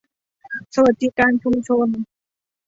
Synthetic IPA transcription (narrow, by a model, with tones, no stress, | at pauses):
sa˧wa˨˩t̪̚ːi˦˥kaː˧nt͡ɕʰu˧mt͡ɕʰo˧n